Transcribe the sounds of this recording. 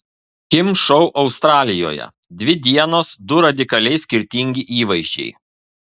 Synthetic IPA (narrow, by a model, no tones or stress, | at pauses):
kʲɪmʃɔʊʔɒʊst̪ɾɑːlʲɪjo̰ːjɛ̰ | d̪ʲʋʲɪd̪ʲiɛnoːsd̪ʊɾɐd̪ʲɪkɐlʲɛɪsʲkʲɪɾʲt̪ʲɪŋʲɡʲɪʔiːʋɐɪʒʲd͡ʒʲɛ̰ɪ